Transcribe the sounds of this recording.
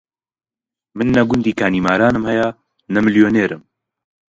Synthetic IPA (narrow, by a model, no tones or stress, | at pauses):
mɨnːɐɡʊnd̪iːkʰaːniːmaːɾaːnɨmhɛja | nɐmɨljoːneːɾɨm